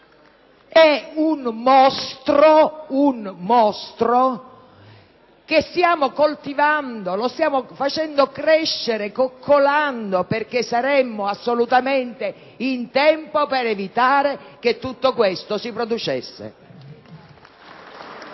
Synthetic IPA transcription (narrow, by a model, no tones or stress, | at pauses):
ɛunmɔst̪ɾounmɔst̪ɾo | k̟est̪jaːmokolt̪ivand̪olost̪jaːmofat͡ʃɛnd̪okɾɛʃːeɾekokʰːolaand̪operk̟esːaɾɛmːoasːolut̪ament̪e | int̪ɛmpopeɾevit̪aːɾek̟et̪ːut̪ːokwest̪osipɾod̪ut͡ʃesːḛ